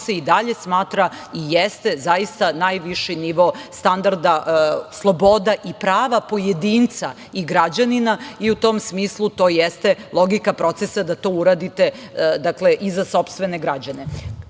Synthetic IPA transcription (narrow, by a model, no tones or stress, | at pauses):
seid̪aʎe̞smaːt̪ɾaijest̪e̞zajist̪anajʋiʃiniʋo̞st̪and̪aɾd̪aʔslˠo̞bo̞d̪aʔipɾaːʋapo̞jed̪iːnt̪sa̰ | iɡɾad͡ʑaninaiut̪o̞msmiːslˠut̪o̞ːjest̪elˠo̞ɡikapɾo̞t̪sesad̪at̪o̞ːuɾad̪it̪e̞d̪akleʔizaso̞pst̪ʋeneɡɾad͡ʑane̞